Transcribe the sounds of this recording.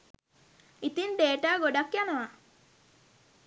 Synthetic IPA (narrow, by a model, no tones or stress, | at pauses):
it̪ind̪eːʈaːɡoɖakːjanəʋa